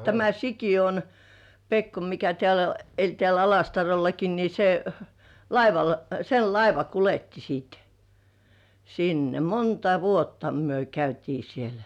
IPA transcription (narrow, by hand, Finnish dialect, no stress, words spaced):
tæmæ sikijon pekːo mikæ tĕæˑlæ elʲ tĕæˑl ɑlɑstɑrolːɑki ni se lɑiʋɑl sel lɑiʋɑ kuletːi siːt sinːe montɑ ʋuotːɑ myø kæytiː sielæ̥